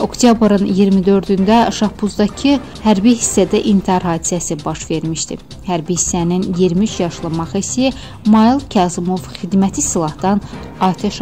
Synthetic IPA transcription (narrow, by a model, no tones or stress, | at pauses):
o̞kt̪ʰjabɾɯnijiɾmid̪ø̞ɾd̪ynd̪æʃɑpuzd̪ɑcʰi | hæɾbiɦisːæd̪æʔint̪ʰiɑɾɦɑːd̪i̥sæsibɑʃve̞ɾmiʃd̪ḭ | hæɾbihisːæninjiɾmiyt͡ʃjɑʃlˠɯmɑχisi | mɑilˠcʰɑzimo̞vxid̪mæt̪ʰisilˠɑhd̪ɑn | ɑːt̪ʰeʃ